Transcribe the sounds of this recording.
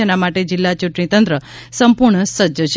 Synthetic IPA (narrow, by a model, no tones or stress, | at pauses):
ənamaʈed͡ʒɪlːat͡ʃuʈɳĩt̪ənt̪ɾə | səmpuɾɳəsəd͡ʒət͡ʃʰ